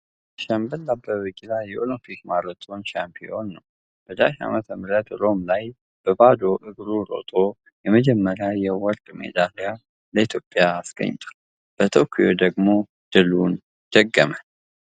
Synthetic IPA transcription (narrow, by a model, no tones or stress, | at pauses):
ʃəmbəlːabəβɨɡilajɛʔolɨmpʰikmaɾət̪ʼonʃampʰio̞nːəw | b̥əd̪a̰ʃa̰mət̪ʰəmɾət̪ɾo̞mlaj | b̥əbad̪oʔɨɡɾuɾo̞̰t̪ʼo̞ | jɛməd͡ʒɛmːəɾjajɛwɔɾt̪ʼmḛd̪alija | ləit̪ʰjo̞pʼjaːsɡ̥ə̰ɲːt̪ʰʼə̥ | b̥ət̪ʰokʰijo̞̰d̪əɡmo̞ | d̪̥ɨlun | d̪̥əɡːəmə